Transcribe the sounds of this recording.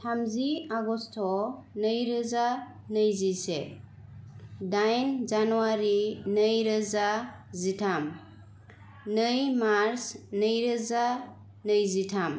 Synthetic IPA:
tʰamziaɡɔstʰɔ | nəjɾəza | nɯjzise | dajnzanuwaɾinəjɾəzazitʰam | nɯjmaɾsnəjɾəza | nəjzitʰam

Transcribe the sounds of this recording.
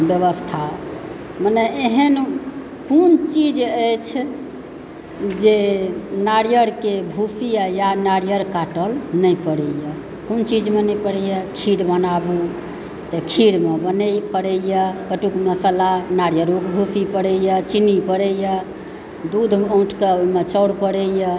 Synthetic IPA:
bjəβəst̪ʰa | mənɛeɦən | kunt͡ʃid͡ʒəjt͡ʃʰ | d͡ʒenaɾijəɾkebʱupʰijajanaɽjəɾkaʈəlnəjpəɽəjə | kont͡ʃid͡ʒmenɛjpəɽɛjəkʰiɾbənabu | t̪əkʰiɾmebənəjpəɽəjəkəʈukməsəlanaɽjəɾukbʱupʰipəɽəjət͡ʃinipəɽəjə | d̪ud̪ʱõʈʰkemet͡ʃəwɽpəɽəjə

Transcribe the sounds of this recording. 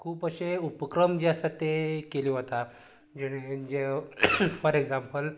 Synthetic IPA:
kʰuːpəɕeupəkɾəmd͡ʑaasat̪ekeliːɦot̪a | d͡ʑeɽ̃ed͡ʑe | fɔɾekd͡zãmpəl

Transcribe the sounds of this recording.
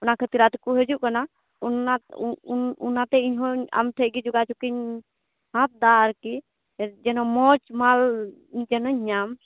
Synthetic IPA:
unakʰət̪iɾat̪kuɦɛd͡ʒuʔkəna | unanṵnat̪ɛiɲɦoa̰mʈʰəɡid͡ʒuɡat͡ʃʰukiɲ | ɦãt̪̚d̪aɾki | d͡ʒɛnɔmɔt͡ʃmal | d͡ʒɛnɔɲam

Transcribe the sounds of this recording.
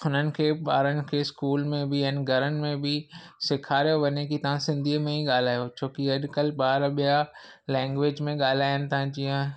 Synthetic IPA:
ʊnənɪ̆kʰeːɓaːɾənɪ̆kʰeːskuːlmẽbɪɛ̃ːnɡʱɐɾənɪ̆mẽbɪsɪkʰaːɾijoʋɐɲekit̪ɐʋ̤ãsɪ̃nd̪ʱiːəmẽɦiɠaːl̤aːjot͡ɕʰoːkiɐɗkəlɓaːɾɓija | lɛ̃ːŋɡʋeːd͡ʑmẽɠaːl̤aːjənɪ̆t̪ʰaãd͡ʑiːə̃

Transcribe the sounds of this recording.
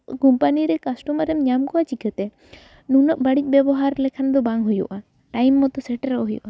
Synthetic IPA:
kumpaniɾɛkasʈɔmaɾɛmɲamkɔat͡ʃikɛt̪ɛ | nunɔʔbaɽic̚ˀbjɛbɔɦaɾlɛkʰand̪ɔbaŋɦujṵʔa | ʈajmːɔt̪ɔsɛʈɾɔɦujṵʔa

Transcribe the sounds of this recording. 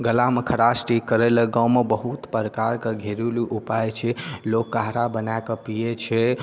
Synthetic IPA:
ɡəlamekʰəɾasʈikəɾɛləɡãwmebəɦut̪pəɾəkaɾkeɡʱeɾuliʔupajt͡ʃʰɛlokːaɦɾabənaekəpijet͡ʃʰɛ

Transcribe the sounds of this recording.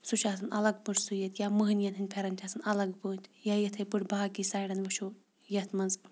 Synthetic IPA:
suʃʰaːsɐnɐlɐɡpɨʈsujɐt̪jaːməɦɨnjɐt̪ɐnʲpʰeɾɐnʲt͡ʃʲʰaːsɨnɐlɐɡbɨːt̪ʲjaːjɐt̪ʰɐjpɨʈbaːkisaːjɖɐnʋɐʃu | jɐt̪ʰmɐnz

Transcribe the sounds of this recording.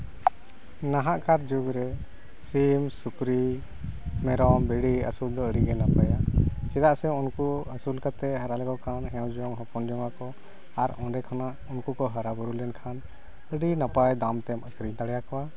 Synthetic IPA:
naɦaʔkaɾd͡ʒuɡɾɛ | simsukɾi | mɛɾɔmbɛɽiə̰suld̪ɔəɖiɡɛnapajat͡ʃɛd̪aʔsɛunkuəsulkat̪ɛɦaɾalɛɡɔkʰanɦɛ̃wd͡ʒɔŋɦɔpɔnd͡ʒɔŋakɔ | aɾɔ̃ɖɛkʰɔnaʔunkukɔɦəɾabuɾulɛnkʰan | əɖinapajd̪amt̪ɛməkɾiɲt̪aɽɛjakɔwa

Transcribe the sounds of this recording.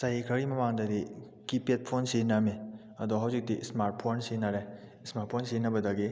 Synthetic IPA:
sajikʰɾɐɾimɐmaŋdɐdi | kipet̚pʰonsename | ɐdɔɦawsik̚tismaɾʈ̚pʰonsenaɾajsmaɾʈ̚pʰonsenɐbɐdaɡe

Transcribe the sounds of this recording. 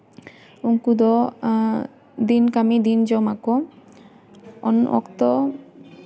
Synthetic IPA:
uŋkud̪ɔ | d̪inkamid̪ind͡ʒɔmako | ɔ̰nɔ̰kt̪ɔ

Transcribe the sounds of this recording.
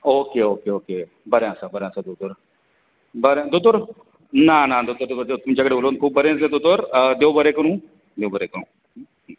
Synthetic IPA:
oːkeoːkeːoːkeː | bɐɾejãːsabəɾjãːsad̪ot̪ʊɾ | bɐɾjãd̪ot̪̬ʊɾ | naːnãːd̪ot̪ʊt̪ʊd̪et̪ʊmd͡ʒɐɡɽeʊloːnkʰuːb̚bɐɾẽːsẽd̪ot̪ʊɾd̪eobɐɾeːkɐɾũː | d̪eobəɾeːkəɾũː

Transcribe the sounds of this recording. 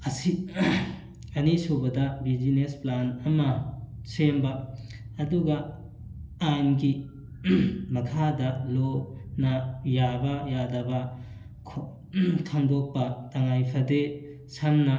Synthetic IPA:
ɐsi | ɐnisobɐdɐbid͡ʒinesplanɐmɐsembɐː | duɡɐ | anɡi | mɐkʰadɐlonɐjabɐjadɐbɐ | kʰ | tʰaŋdok̚pːɐtɐŋajpʰɐde | samnɐ

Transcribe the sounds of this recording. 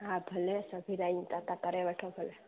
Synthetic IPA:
ɦãbʱəlesəbʱiɾaint̪at̪akəɾeʋɛʈʰobʱəle

